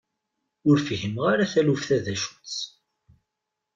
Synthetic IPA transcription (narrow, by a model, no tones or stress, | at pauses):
ʊɾfʝəmʁaɾaθælufθæðæʃu̥t͡sː